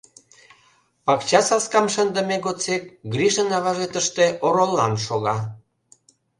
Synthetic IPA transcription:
pɑkt͡ɕɑsɑskɑmʃənd̪ə̆meɣot͡sek̚ɡriʃənɑβɑʒet̪əʃt̪eʔoɾolːɑ̰nʃoɣɑ

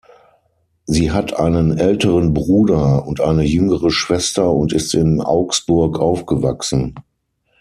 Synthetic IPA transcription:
ziːɦatʰʔaɪnənʔɛltəʁənbʁuːdɐʊntʔa̰ɪnəjʏŋəʁəʃv̥ɛstɐʊntɪstɪnʔa̰ʊksb̥ʊɐkʔaʊfɡ̥əva̰ksn̩

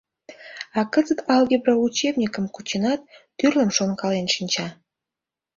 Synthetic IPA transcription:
ɑkəzət̪ɑlɡʲebɾɑut͡ɕebnʲikə̆mkut͡ɕenɑt̪̚ː | yrlə̆mʃonkɑlenʃinʲt͡ɕɑ

